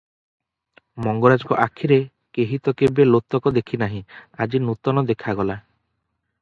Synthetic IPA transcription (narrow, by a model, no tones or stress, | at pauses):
mɔŋɡɔɾad͡ʒɔkɔʔakʰiɾe | keɦit̪ɔkebelot̪ːɔkɔd̪ekʰinaɦĩad͡ʒinut̪ɔnɔd̪ekʰaɡɔla